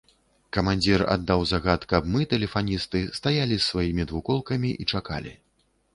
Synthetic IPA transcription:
kɐmanʲd͡zʲira̰d̪ːawzaɣat̪kɐbmɨt̪ɛlʲɛfanʲist̪ɨst̪ajalʲisːvajimʲid̪vukɔlˠkɐmʲiʔit͡ʂaka̰lʲḭ

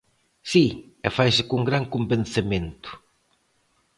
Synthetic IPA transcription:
si | ɛfajsɪkuŋɡɾaŋkumbenθemẽnt̪ʊ̥

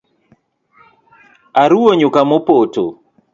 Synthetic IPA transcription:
aɾuoɲʊkamopoto̰

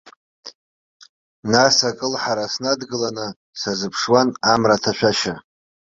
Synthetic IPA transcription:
nasakʼɨlħaɾasnadɡɨlanɨ | sazɨpʰʂwanamratʰaʃʷᶣaʃa

